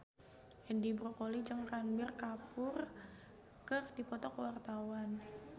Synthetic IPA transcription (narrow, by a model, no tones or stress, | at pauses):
ʔɛndibɾokolid͡ʒəŋranbɪrkapʊr | kərdipɔt̪ɔkwart̪awan